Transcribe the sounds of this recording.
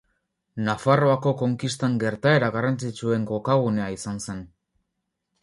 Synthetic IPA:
nafaro̞ako̞ko̞ŋkist̪aŋɡe̞ɾt̪ae̞ɾaɣarant͡sit͡ʃue̞ŋɡo̞kaɣ̞une̞aisanse̞n

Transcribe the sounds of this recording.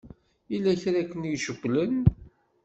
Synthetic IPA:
ilːæçɾækːənjʃəɡʷlən

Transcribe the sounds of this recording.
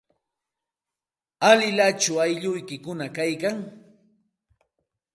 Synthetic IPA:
alɪlat͡ʃʊajʎʊjkɪkʊnakajkaŋ

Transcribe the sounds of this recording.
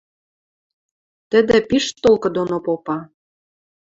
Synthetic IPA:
t̪ə̆d̪ə̆piʃt̪olkɤ̆d̪onopopɑ

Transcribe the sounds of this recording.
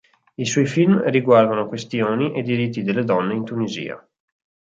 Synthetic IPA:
iswɔjfilmriɡward̪anokwest̪joːniʔed̪iɾit̪ːid̪elːed̪ɔnːeint̪unizḭːa̰

